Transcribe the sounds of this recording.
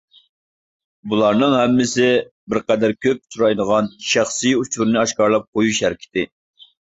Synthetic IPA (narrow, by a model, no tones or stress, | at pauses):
bulˠɑɾnɨŋhɛmːɪsɪbɪɾqɛd̪æɾkʲʰøp̚t̪ʰuɾɑjd̪əʁɑnʃæχsɨjut͡ʃʰuɾnɨɑʃkɑɾlˠɑp̚qojuʃhæɾkʲʰɪ̥t̪ɪ